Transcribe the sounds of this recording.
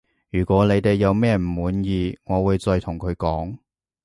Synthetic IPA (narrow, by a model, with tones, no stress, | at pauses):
jyː˨˩kʷɔː˨˥le˨˧jt̪e˨jːɐ˨˧wmɛː˥˧m̩˨˩muː˨˥njiː˨ŋɔː˨˧wuː˨˧jt͡sɔː˧jt̪ʰʊ˨˩ŋkʰɵ˨˧ɥkɔː˨˥ŋ